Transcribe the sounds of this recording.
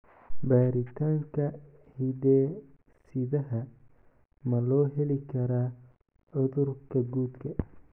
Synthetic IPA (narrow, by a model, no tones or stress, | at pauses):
baːɾɪt̪ʰaːŋkʰɐ | hidɛː | sɪðɐɦɐ | mɐlɔːɦɛlɪkʰɐɾaː | ɔðʊrkʰɐɡuːd̪kʰɐ